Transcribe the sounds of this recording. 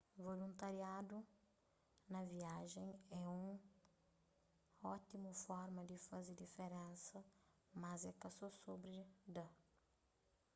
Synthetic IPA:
volũnt̪ɐɾiad̪u | nɐviaʒẽj̃ɛũŋ | ɔt̪imufɔɾmɐd̪ifɐzed̪ifeɾẽnsɐ | mɐzɛkɐsɔsobɾid̪ɐ

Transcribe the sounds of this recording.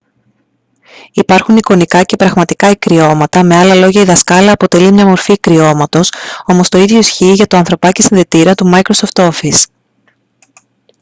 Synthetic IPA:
ipɐɾxuniko̞nikɐce̞pɾɐɣmɐt̪ikɐikɾio̞mɐt̪ɐme̞ɐlɐlo̞ʝɐiðɐskɐlɐːpo̞t̪e̞limɲɐmo̞ɾfikɾio̞mɐt̪o̞so̞mo̞st̪o̞iðʝo̞isçiʝɐt̪o̞ɐnθɾo̞pɐcesinðe̞t̪iɾɐt̪umɐikɾoso̞ft̪o̞fis

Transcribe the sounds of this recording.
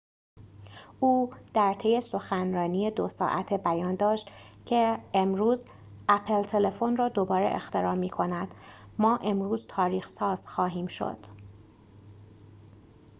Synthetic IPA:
ʔuːd̪̥æɾt̪ʰe̞je̞so̞xænrɒːniːjed̪osɒ̰ːʔæt̪ʰebæjɒːnd̪ɒːʃt̪ | cʰeemɾuːz | ʔæpʰelt̪ʰe̞le̞fonrɒːd̪o̞bɒːɾḛʔḛxt̪ʰe̞ɾɒːmːiːkʰo̞næd̪̥ | mɒːʔe̞mɾuːzt̪ʰɒːɾiːxsɒːz̥xɒːɦiːmʃo̰d̪̥

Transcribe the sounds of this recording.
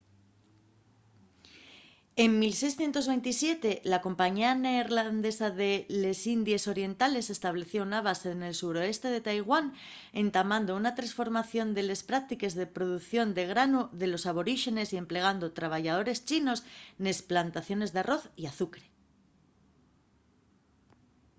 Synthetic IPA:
e̞mmilse̞jsθje̞nt̪o̞zβejnt̪isje̞t̪e̞lako̞mpaɲianeɾland̪e̞saðe̞le̞sind̪je̞so̞ɾje̞nt̪ale̞se̞st̪aβ̞le̞θjo̞unaβ̞aseðene̞lsuɾo̞e̞st̪e̞ðe̞t̪ajɣwan | e̞nt̪amãnd̪o̞unat̪ɾãnsfo̞ɾmaθjo̞nd̪e̞le̞spɾak̚t̪ike̞zðe̞pɾo̞ð̞uθjo̞nd̪e̞ɣ̞ɾanuðe̞lo̞saβ̞o̞ɾiʃe̞ne̞sie̞mple̞ɣ̞and̪o̞t̪ɾaβ̞aʝað̞o̞ɾe̞st͡ʃino̞sne̞splant̪aθjo̞ne̞zðearo̞θiaθukɾe̞

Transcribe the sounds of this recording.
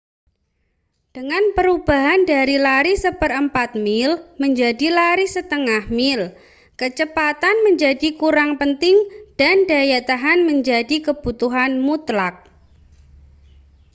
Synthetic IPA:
d̥əŋanpəɾub̥aɦandaɾilaɾisəpərəmpat̪̚mɪlməɲd͡ʒadilaɾisət̪əŋahmɪl | kət͡ʃəpat̪anməɲd͡ʒadikuɾaŋpənt̪ɪŋd̥andajat̪aɦanməɲd͡ʒadikəb̥ut̪uɦanmut̪lak̚

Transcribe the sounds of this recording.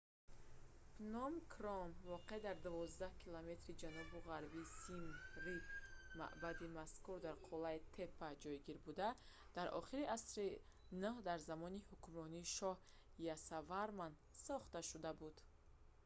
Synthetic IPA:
nɔmkʰɾɔmvɔqed̪aɾd̪uvɔzd̪ahkʰilome̞t̪ɾid͡ʒanɔbuʁaɾbiːsimɾima̰ʔbad̪imaskuɾd̪aɾqʰɔlait̪ʰe̞pːad͡ʒɔjɡiɾbud̪a | d̪̥aɾʔɔ̰χiɾiʔasɾi | nuhd̪aɾzamɔnihukmɾɔniːʃɔh | jasavaɾman | sɔχt̪aʃud̪abud̪̥

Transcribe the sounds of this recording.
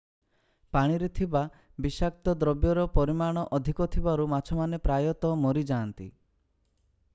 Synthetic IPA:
paɽ̃iɾet̪ʰiba | bisak̚t̪ɔd̪ɾɔbjɔɾɔpɔɾimaɽ̃ɔʔɔd̪ʱikɔt̪ʰibaɾumat͡ʃʰɔmanepɾajɔt̪ɔmɔɾid͡ʒaːnt̪ḭ

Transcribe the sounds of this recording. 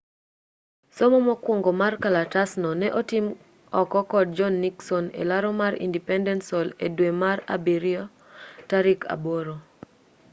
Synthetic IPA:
somɔmɔkwoŋɡomarkalatasnɔnɛʔotim | ɔkɔkɔd̚d͡ʒɔnːiksɔnḛlaɾɔmaɾḭndipɛndɛntsɔledwemara̰biɾiɔ | taɾikʰa̰boɾo

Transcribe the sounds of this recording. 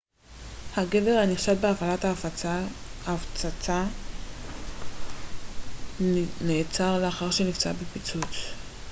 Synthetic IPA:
haɡe̞ve̞ʁhaniχʃat̚beafalathaːfaaaft͡sat͡sa | neːt͡saʁleaχaʁʃenift͡sa̰bepit͡sut͡s

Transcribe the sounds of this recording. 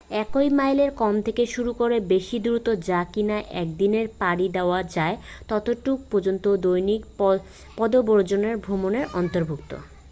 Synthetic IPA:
ɛkojmajleɾkɔmt̪ʰekeʃuɾukoɾebeʃid̪uɾut̪od͡ʑakinaʔɛk̚d̪ineɾpaɾid̪eoad͡ʑaet̪ɔt̪oʈuk̚pod͡ʑont̪od̪ojnik | pɔd̪oboɾd͡ʑoneɾbʱɾomoneɾɔnt̪oɾbʱuk̚t̪o̰

